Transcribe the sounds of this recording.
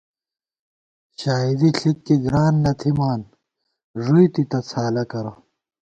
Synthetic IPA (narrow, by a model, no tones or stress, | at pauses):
ɕaːid̪iɬikːiɡɾaːnːɐt̪ʰimaːn | ʐujt̪it̪ɐt͡sʰaːlɐkɐɾɐ